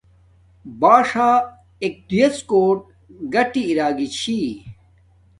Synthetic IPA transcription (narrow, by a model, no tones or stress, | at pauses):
baːʂaː | ek̚t̪ijeskoːʈ̚ | ɡɐʈiːɾaːɡit͡ɕʰi